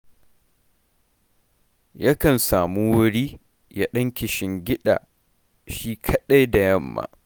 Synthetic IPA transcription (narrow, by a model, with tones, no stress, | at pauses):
ja˦kɐ˨nsaː˨mu˦wʊ˦ɽiː˦ | ja˦ɗɐ˦ŋkʲɪ˨ʃɪ˨˦ŋɡʲɪ˦ɗa̰ː˨ | ʃiː˦kʰɐ˦ɗa˦jda˨jɐ˦mːa̰ː˨